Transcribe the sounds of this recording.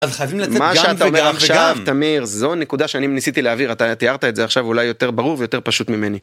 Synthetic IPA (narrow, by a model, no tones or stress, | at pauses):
azχajavimlamaʃeaaomeʁaχʃaavt̪amiʁzo̞nekud̪aʃeanimnisit̪ileaviʁat̪at̪iaʁt̪aezeaχʃavulajo̞t̪e̞ʁbaʁuʁvejot̪e̞ʁpaʃut̪mimeni